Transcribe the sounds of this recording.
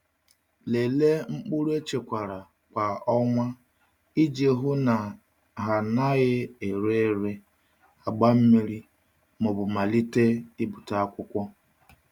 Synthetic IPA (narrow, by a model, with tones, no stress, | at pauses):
le˨le˦ŋ͡m̩˦k͡pʊ˦ɾu˦e˦t͡ʃe˨kʷa˨ɾa˨ | kʷa˨ɔ˦ŋʷa˦ | i˦d͡ʒe˨ɦʊ˦na˨ | ɦa˨na˦ɣɪ˦e˨ɾe˦˨ɾe˦ | a˨ɡ͡ba˦m̩˦mi˦ɾi˦ | mʊ˨bʊ˨ma˨li˦te˦i˦bʊ˨ta˨a˦kʷʊ˦kʷɔ˦